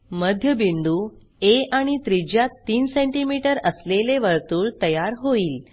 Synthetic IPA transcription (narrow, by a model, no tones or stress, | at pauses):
məd̪ʱjəbind̪uː | eʔaɽ̃it̪ɾid͡ʑjat̪ːiːnsẽɳʈimiʈəɾəsleleʋəɾt̪uːɭt̪əjaɾɦoiːl